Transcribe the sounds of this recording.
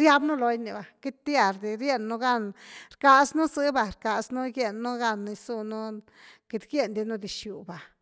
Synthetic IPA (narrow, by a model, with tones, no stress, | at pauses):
ɾja˧bnu˦lo˧jni˨ba˨ki˦t̪̚t̪ja˧˨ɾd̪i˧ɾje˦nːu˦ɡa˦˧nɾka˧snu˦zɨ˧˦ba˧ɾka˧snu˦ɡje˧nːu˦ɡa˦nːa˧jsu˦˧˨nu˦ | ki˧t̪ɡje˦˨nd̪i˧nu˦d̪i˨ʃju˨ba˨